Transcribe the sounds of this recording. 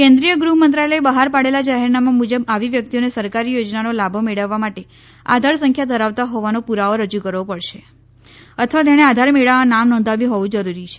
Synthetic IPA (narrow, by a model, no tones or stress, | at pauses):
kɛ̃nd̪ɾijəɡɾuɦmənt̪ɾaləebəɦaɾpaɽelad͡ʒaɦeɾnamamud͡ʒəbaʋiʋjək̚t̪ionesəɾkaɾijod͡ʒnanolabʱomeɭəʋːamaʈe | a̰d̪ʱaɾsə̃ŋkʰjad̪ʱəɾaʋt̪aɦoʋanopuɾaoɾəd͡ʒukəɾʋopəɭʃe | ət̪ʰəʋat̪jaɽ̃ead̪ʱaɾmeɭaãnamnɔ̃nd̪ʱaʋĩɦoʋũd͡ʒəɾuɾit͡ʃʰe̥